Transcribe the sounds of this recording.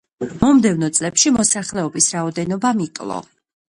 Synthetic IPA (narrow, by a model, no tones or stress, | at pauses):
mɔmd̪ɛvnɔt̪sʼlɛpʃimɔsaχlɛɔbisɾaɔd̪ɛnɔbamikʼlˠɔ̰